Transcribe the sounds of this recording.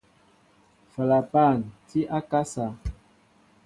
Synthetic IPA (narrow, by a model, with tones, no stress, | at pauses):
fa˨la˨pa˦˨nti˦ʔa˦ka˦sa˨